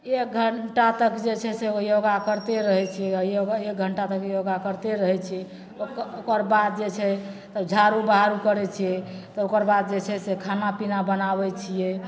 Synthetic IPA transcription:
ek̚ɡʱəɳʈat̪əkd͡ʒet͡ʃʰɛsejoɡakəɾt̪eɾəɦɛt͡ʃʰijɛjoɡek̚ɡʱəɳʈat̪əkjoɡakəɾt̪eɾəɦɛt͡ʃʰɛ | okokəɾbad̪̚d͡ʒet͡ʃʰɛt̪əbd͡ʒʱaɾubaɦaɾukəɾɛt͡ʃʰijɛt̪ɔokəɾbad̪̚d͡ʒet͡ʃʰɛsekʰanapinabənaβɛt͡ʃʰijɛ

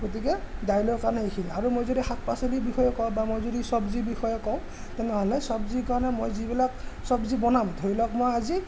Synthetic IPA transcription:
ɡot̬ikɛdajlɔɹkaɹɔnɛɦikʰinaɹumojzodixak̚pasɔlibixɔjɔkɔ̃bamojzodisɔbzibixɔjɔkɔʊ̃ | tɛnɛɦɔlɛsɔbzikaɹnɛmojzibilaksɔbzibɔnamdʱoilɔk̚mojazi

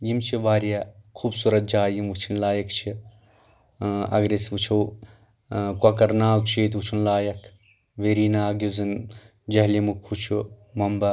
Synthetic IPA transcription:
jimt͡ʃʰiʋaːɾjakʰuːbsuɾɐt̪̚d͡ʒaːjimʋut͡ʃʰinlaːjɐkt͡ʃʰi | ɐ̰ɡɾisʋut͡ʃʰɐw | kwɐkɐɾnaːwkt͡ʃʰiːt̪̬ʋut͡ʃʰunlaːjɐkʰ | ʋeːɾiːnaːɡizɨn | d͡ʒɐɦlimukʰut͡ʃʰumɐmbɐ

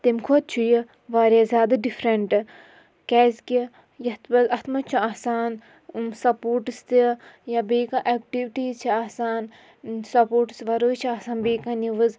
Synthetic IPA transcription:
t̪emkʰot̪̚t͡ʃʰuji | ʋaːɾʲazʲaːd̪ɐɖifʰɾeɳʈɨ | kɛːzki | jɐt̪bɐzɐt̪mɐt͡ʃʰuaːsaːn | msɐpoːɾʈɨst̪ijɐbeːkaʔɛk̚ʈiʋiʈiːzt͡ʃʰiaːsaːn | sɐpoːʈɨ̥sʋɐɾoːjt͡ʃʰiaːsaːnbeːkaniʋɐz

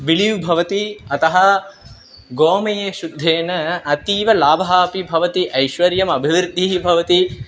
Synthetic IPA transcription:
ʋiliʋbʱɐʋɐt̪iɐt̪ɐɦɐ | ɡoːmɐjeːʃud̪ʱːeːnɐɐt̪iːʋɐlaːbʱɐɦaːpibʱɐʋɐt̪iʔɐjʃʋɐɾjɐmɐbʱiʋɾd̪ʱiɦibʱɐʋɐt̪i

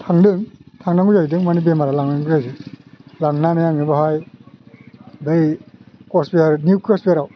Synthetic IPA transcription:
tʰaŋdɯŋtʰaŋnaŋɡujajdɯŋmanibemaɾalaŋnaŋɡuzajzilaŋnanajaŋnibaɦaj | bɯjkɔspiaɾniukɾɔspijɾaw

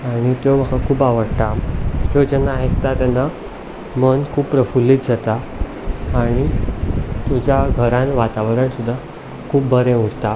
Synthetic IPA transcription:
aɽ̃it̪joməkakʰuːpaʋəɽt̪akjod͡ʑənaɦekt̪at̪anːa | mənkʰuːppːɾəfulːiːt̪̚d͡zat̪aː | ɽ̃i | t̪ud͡ʑjaɡʱəɾãnʋat̪aʋɾəɳsud̪ʱːa | kʰuːpbʱəɾẽuɽt̪a

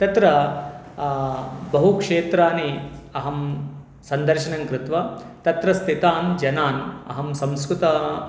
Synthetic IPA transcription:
t̪ɐt̪ɾɐ | bɐɦukʂeːt̪ɾaːniɐɦɐm | sɐnd̪ɐɾʃɐɳɐŋkɾɪt̪ʋɐt̪ɐt̪ɾɐst̪ʰit̪aːnd͡ʒɐnaːnɐ̰ɦɐmsɐmskɾut̪ɐ

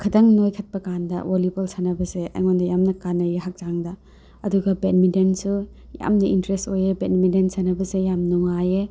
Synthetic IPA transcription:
kʰɐdɐŋnojkʰɐt̚pɐkandɐ̰wolibolsanɐbɐzeʔɐ̰jŋondɐjamnɐkanːɐjeɦak̚z̥aŋdɐ | ɐduɡɐbet̚midensu | ja̰mnɐintɾestojebetmidensɐnɐbɐzejamnuŋaje

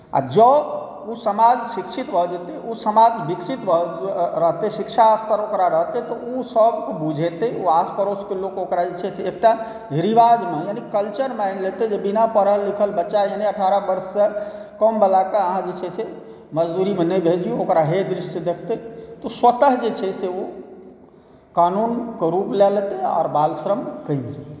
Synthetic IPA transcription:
a̰d͡ʒəb | usəmad͡ʒsiksit̪bʱəd͡ʒet̪eʔusəmad͡ʒbiksit̪bʱəɾəɦt̪esikʃʰaːst̪ʰəɾokɾaɾəɦt̪et̪ɔusəbkbud͡ʒʱet̪euaspəɾoskelokokɾad͡ʒet͡ʃʰɛt͡ʃʰeek̚ʈa | ɾiʋad͡ʒmejanikəlt͡ʃəɾmajnlet̪ed͡ʒebinapəɾɦəlːikʰəlbətːʃajaniəʈʰaɾəbəɾsːekəmbəlakeəɦãd͡ʒet͡ʃʰɛse | məd͡ʒd̪uɾimenəbʱed͡ʒiuokɾaɦed̪ɾiʃsed̪ekʰt̪et̪ɔswət̪əɦd͡ʒet͡ʃʰɛseo | kanunkeɾuplɛlt̪eɔ̰ːɾbalsɾəmkəjnd͡ʒat̪e̥

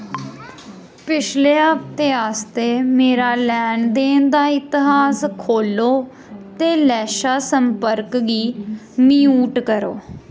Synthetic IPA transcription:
pɪt͡ʃʰleːaːp̚t̪eːaːst̪eːmeːɾaːlɛːɳd̪eːnd̪aːɪt̪ɪɦaːskʰoːloː | t̪eːlɛːʃaːsəmpəɾkɡiː | miːuːʈkəɾo̰ː

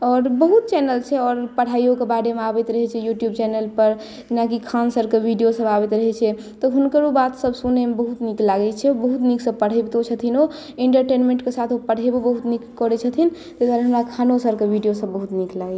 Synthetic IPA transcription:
ɔːɾbəɦut̪̚t͡ʃɛnəlt͡ʃʰɛɔːɾpəɽ̤ajokebaɽemeabɛt̪ɾəɦɛt͡ʃʰɛjuʈjubt͡ʃɛnelpəɾ | d͡ʒinakikʰansəɾkebʱiɖijosəbabɛt̪ɾəɦɛt͡ʃʰɛ | t̪ɔɦunkəɾobat̪səbsunemebəɦut̪niklaɡɛt͡ʃʰɛbəɦut̪niksəpəɽ̤ɛbt̪ot͡ʃʰət̪ʰino | eɳʈəɾʈenmẽɳʈkesat̪ʰopəɽ̤ebebəɦut̪nikkɔɾɛt͡ʃʰət̪ʰint̪ed̪waɾeɦəmɾakʰanosəɾkebʱiɖijosəbːəɦut̪niklaɡɛ

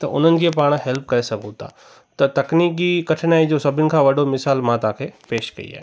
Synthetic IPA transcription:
t̪ɐʔʊ̰n̤ənɪ̆kʰepaːɽ̃ɦɛlp̚kɐɾesɐɡʱõt̪a̰ | t̪ɐt̪ɐkniːkikɐʈʰnaːid͡ʑosɐbʱɪnɪ̆kʰãːʋɐɖʱomɪsaːlmãt̪ãːkʰepeːʃkɐ̰ḭa̰ːɦe

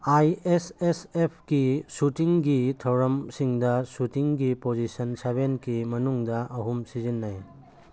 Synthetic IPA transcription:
ajesesepʰkisutiŋɡitʰɐwɾɐmsiŋdɐsutiŋɡipozisɐnsaβenkimɐnuŋdɐʔɐɦumsizinːaj

